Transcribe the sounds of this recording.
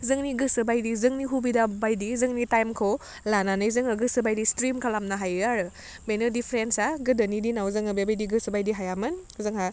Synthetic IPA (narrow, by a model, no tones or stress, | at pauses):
zɯŋniɡɯsɯbajdizɯŋniɦubidabajdizɯŋnitajmkʰɯw | lananɯjzɯŋɯɡɯsɯbajdistɾimkʰalamnaɦajaɾɯ | menɯdipʰɾensaɡɯdɯnidinawzɯŋɯbebajdiɡɯsɯbajdiɦajamɯnzɯŋɦa